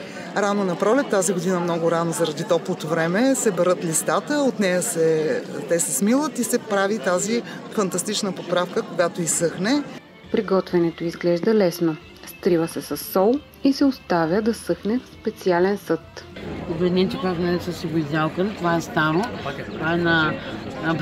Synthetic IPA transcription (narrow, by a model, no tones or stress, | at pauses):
ɾanonɐpɾɔlɛt̪ːaziɡoʊd̪inəmnɔɡʊɾanozɐɾɐd̪it̪ɔplˠot̪ovɾɛmɛsɛbɛɾɤt̪list̪at̪əot̪nɛjəsɛt̪ɛsɛsmilˠət̪isɛpɾavit̪azifɐnt̪ɐst̪it͡ʃnəpopɾafkəkoɡat̪oisɤxnɛ | pɾiɡɔt̪vɛnɛt̪oizɡlɛʒd̪əlɛsno | st̪ɾivəsɛsɐsːɔlˠ | isɛost̪avʲjəd̪ɐsɤxnɛfspɛt̪sialɛnsɤt̪obɛd̪ʲinɛmt͡ʃɛkat̪nɛɾɛsəsiɡʊizd̪ʲalˠkənt̪ovaɛst̪aɾot̪ovaɛnɐ